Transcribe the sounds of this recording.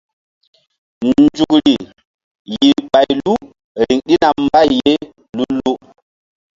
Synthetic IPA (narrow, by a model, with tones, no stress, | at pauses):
nd͡ʒu˨kɾi˨ | ji˨ɓa˨jlu˦ | ɾi˨ŋɗi˦na˨mba˦˨jːe˦ | lu˦lu˦